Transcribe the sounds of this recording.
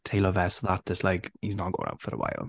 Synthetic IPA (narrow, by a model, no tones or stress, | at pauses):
tʰeɪləvɛsoʊðət̚d̥ʒ̥ʌstlaɪkhiznət̚ɡo̰ʊɪ̃ŋa̰ʊtfəɾə̰wa̰ɪlˠ